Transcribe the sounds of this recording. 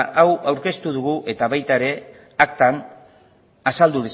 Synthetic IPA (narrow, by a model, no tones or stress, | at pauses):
ʔawawɾke̞st̪uð̞uɣuʔe̞t̪aβajt̪aeɾe̞ | akt̪an | asald̪uðis